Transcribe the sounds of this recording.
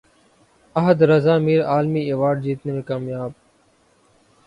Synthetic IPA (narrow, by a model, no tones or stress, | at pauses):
əɦəd̪ɾəzaːmiːɾaːlmiːeːʋaːɖ̚d͡ʑiːt̪neːmẽːkaːmjaːb̚